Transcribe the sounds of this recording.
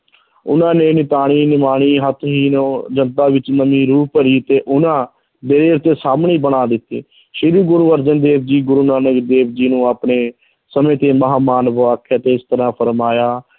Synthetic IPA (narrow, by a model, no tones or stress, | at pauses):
ʊ̰nãːneːnɪt̪aːɽ̃iːnɪmaːɽ̃iːɦət̪ʰɦiːnoːd͡ʒənt̪aːʋɪt͡ʃnəmĩːɾuːpəɾiːt̪eːʔʊnãː | d̪eɾeːɾt̪eːsaːmɳiːbəɽ̃aːd̪ɪt̪ːḛː | ʃɪɾuːɡʊɾuːʋəɾd͡ʒənd̪eːbd͡ʒiːɡʊɾuːnaːnəkd̪eːbd͡ʒiːnũːaːpɳeː | səmẽːt̪eːməɦaːmaːnʋəʋaːkʰːaːt̪eːɪst̪əɾãːpʰəɾmaːjaː